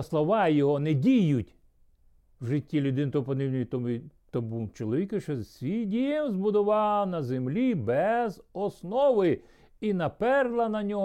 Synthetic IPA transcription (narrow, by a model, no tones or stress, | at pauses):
slˠɔʋɑjɔɦɔnɛdʲijʊtʲ | wʒɪtʲːilʲʊd̪ɪnt̪ɔpɔnɪwnʲjit̪ɔmit̪ɔbut͡ʃɔlˠɔʋʲikɪʃɔsʲijdʲijɛmzbʊd̪ɔʋɑnɐzemlʲibɛzɔsnɔʋɪ | inɐpɛrlˠɐnɐnʲɔ